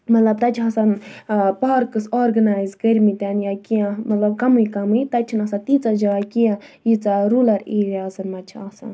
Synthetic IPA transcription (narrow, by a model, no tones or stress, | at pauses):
mɐt̪lɐb̚t̪ɐt͡ʃʰɦɐsɐnpaːɾkɨsoːɾɡɐnaːjzɡɐɾʲmit̪ʲanjakijãmɐt̪lɐb̚kɐmujikɐmɨit̪ɐt͡ʃʰinɐsɐt̪it͡sad͡ʒɐʋakijãjit͡saɾuːlɐɾiːɾazɐnmɐt͡ʃʰasɐ̰n